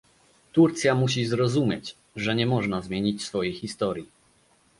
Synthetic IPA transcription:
t̪uɾt̪sʲjamuɕ̬izɾɔzumʲjet͡ɕ | ʐɛɲɛmɔʐnazmʲjeɲit͡ɕsfɔjejxist̪ɔɾʲji

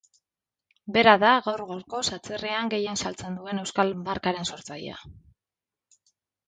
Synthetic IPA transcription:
be̞ɾaðaɣawɾɣo̞ɾko̞sat͡sereaŋɡe̞je̞nsalt͡se̞nd̪ue̞ne̞wskalbaɾkaɾe̞nso̞ɾt͡sajḛa̰

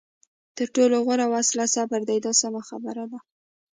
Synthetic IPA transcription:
t̪əɾʈoloɣaɾawaslasabaɾd̪ajd̪ɑsamaxa̰bəɾad̪a

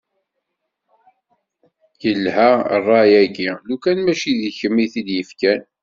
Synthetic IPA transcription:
jəlːhæ̰rˤːɑjæɡilukænmæʃiðiçəmːiθid̪jəfkæn

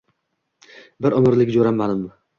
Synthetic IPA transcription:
bɪɾʊmɪɾlɪkʲd͡ʒoɾamːanɪm

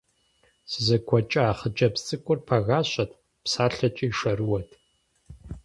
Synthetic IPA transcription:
sɨzɐkʷʰɔt͡ʃʼɐaːχəd͡ʒʼɐpt͡sʼɨkʷʼʊrpʰaɣaːɕʼɐtʰʼ | psaːɬɐt͡ʃʼiːʂɐrɨwɐtʰ

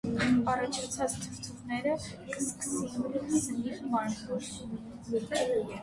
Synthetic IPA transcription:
ɑrɑt͡ʃʰɑt͡sʰɑt͡st̪ʰəvt̪ʰuʁnɛɾə | kəskə̥sinzəniɾmɑnkʰɔɾ | ni

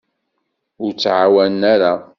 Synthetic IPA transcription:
ʊɾt͡sːʕawænæɾa

